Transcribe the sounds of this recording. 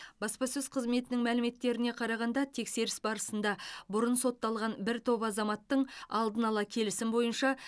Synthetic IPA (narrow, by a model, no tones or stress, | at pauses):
b̥ɑspɑsɵzqʰəzme̞t̪ɪnɪŋmælɪme̞t̪ːe̞ɾɪne̞qʰɑɾɑʁɑnd̪ɑt̪ʰe̞kse̞ɾɪsbɑɾəsənd̪ɑbʊɾənso̞t̪ːɑlˠʁɑnbɪɾt̪ʰo̞βɑzɑmɑt̪ːəɴɑ̰lˠd̪ənɑlˠɑkʲʰe̞lɪsɪmbo̞jənʃɑ